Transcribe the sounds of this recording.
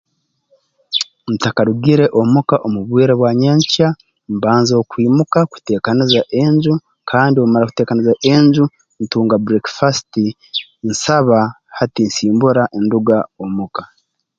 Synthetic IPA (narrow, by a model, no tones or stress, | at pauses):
n̩takaɾuɡiɾe̞ʔomukaʔomuβwiːɾeβwaːɲaɲca | mbaːnzo̞kwiːmukaku̥te̞ːkanizaʔe̞ɲɟu | kʰaːndio̞maɾaku̥te̞ːkanizaʔe̞ɲɟu | n̩tuːŋɡabuɾekfasti | n̩saβa | hatinsiːmbuɾaʔenduɡaomuka